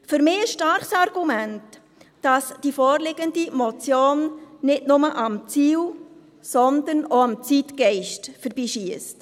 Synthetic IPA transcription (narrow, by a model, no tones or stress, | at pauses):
fyɾmɪːəsʃtɑɾχsɑɾɡ̥umænt | d̥ɑsd̥ifɔːɾlɪɡ̥əndimɔt͡sjoːnnɪtnʊməʔɑmt͡siːl | sɔnd̪ənoɑmt͡sitɡɛɪʃtfəɾb̥iːʃiəst